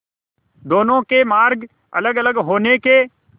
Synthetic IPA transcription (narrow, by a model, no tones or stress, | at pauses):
d̪oːnõkemaːɾɡ | ɐ̰ləɡələɡɦoːneke